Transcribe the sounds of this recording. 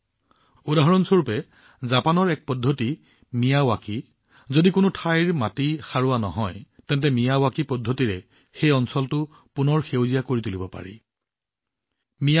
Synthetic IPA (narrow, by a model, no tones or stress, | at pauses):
udaɦɔɹɔnsoɹupɛ | zapanɔɹɛk̚pɔdʱːoti | mijawaki | zodikʊnʊtʰajɹmatixaɹʊwanɔɦɔjtɛnt̬ɛmijawakipɔdʱːotiɹɛ | xejɔnsɔltʊ | pʊnɔɹxewzijakoɹitulibɔpa̰ɹḭ | mi